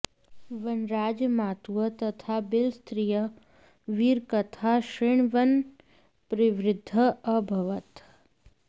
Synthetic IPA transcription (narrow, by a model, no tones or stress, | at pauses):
ʋɐnɾaːd͡ʒəmaːt̪uət̪ɐt̪ʰabɪlst̪ɾijə | ʋiːɾkɐt̪ʰaʃɾɪɳ̃ʋən | pɾɪʋɾɪd̪ʱːəɐbʱɐʋət̪